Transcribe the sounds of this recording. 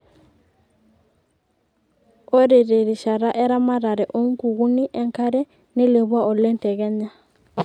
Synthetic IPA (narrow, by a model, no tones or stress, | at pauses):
oɾiɾeɾiʃaɾaʔɛɾamaɾaɾɛʔoŋkuɣuniʔɛŋkaɾɛ | nilɛβwaʔɔlɛntɛɣɛɲa